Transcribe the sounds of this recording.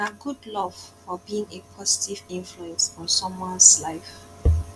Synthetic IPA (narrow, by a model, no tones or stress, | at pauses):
aɡudlɔv̥fɔbiĩŋepʰɔsi̥tʰivĩnfluɛ̃nsɔ̃nsɔ̃mãslaɪf